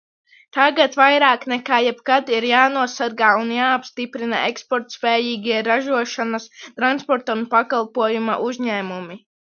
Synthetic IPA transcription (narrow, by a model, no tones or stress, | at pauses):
t̪aɡat̪vajɾaːknɛkaːjɛbkad̪iɾjaːnuɔsaɾɡaːunjaːapst̪ipɾina̰ekspɔɾt̪spɛːjiːɡʲiɛɾaʒuɔʃanast̪ɾanspɔɾt̪aunpakalˠpuɔjuma̰ʔuzɲɛːmumi